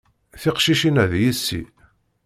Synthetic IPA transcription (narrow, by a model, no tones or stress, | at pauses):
θiqʃiʃinæðjisːḭ